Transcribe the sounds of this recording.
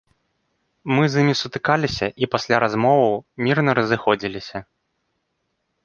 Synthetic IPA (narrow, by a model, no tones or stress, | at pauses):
mɨzimʲisut̪ɨkalʲisʲɐʔipasʲlʲaɾazmɔvɐwmʲirnɐɾɐzɨxɔd͡zʲilʲisʲɐ